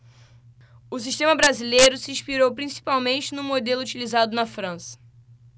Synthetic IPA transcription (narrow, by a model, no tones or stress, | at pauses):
ʊsiʃt̪ẽmɐbɾazilejɾʊsɪĩʃpiɾowpɾĩsi̥pawmẽnt͡ʃɪnũmod̪elʊut͡ʃilizad̪ʊnɐfɾɐ̃sɐ̥